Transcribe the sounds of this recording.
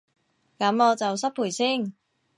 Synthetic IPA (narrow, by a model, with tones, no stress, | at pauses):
kɐ˨˥mɔː˨˧t͡sɐ˨ws̬ɐ˥p̚pʰuː˨˩jsiː˥˩ŋ